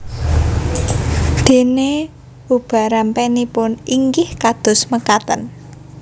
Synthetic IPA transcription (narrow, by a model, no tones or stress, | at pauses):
d̪̥e̤ne | ub̥a̤ɾampenipʊniŋɡɪhkad̪̥ʊ̤sməkat̪ən